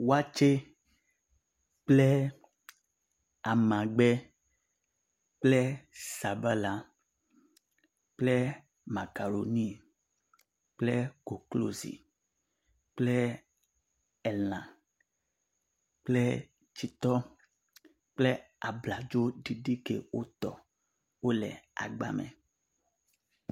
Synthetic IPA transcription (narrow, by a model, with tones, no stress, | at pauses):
wa˦t͡ʃe˦ | k͡ple˦ | a˨mã˨ɡ͡bɛ˦ | k͡ple˦sa˨ba˦la˨ | k͡ple˦ | ma˨ka˨ɾo˨nĩ˦ | k͡ple˦ɡ̥o˨klo̰˦zḭ˨ | k͡ple˦ | ɛ˨nã˨ | k͡ple˦ | t͡ʃi˨t̪ɔ˦ | k͡ple˦ | a˨bla˨d͡ʒo˦ɖi˨ɖi˦kḛ˨wo˦t̪ɔ˨ | wo˦lɛ̰˨a̰˨ɡ͡ba̰˨mɛ̰˨